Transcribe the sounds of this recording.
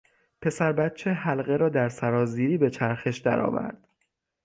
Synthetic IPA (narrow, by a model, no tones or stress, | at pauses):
pʰe̞sæɾbæt̪̚t͡ʃʰehælɣe̞ɾɒːd̪æɾsæɾɒːziːɾiːbe̞t͡ʃʰæɾxe̞ʃd̪æ̰ɾɒ̰ːvæ̰ɾd̪̥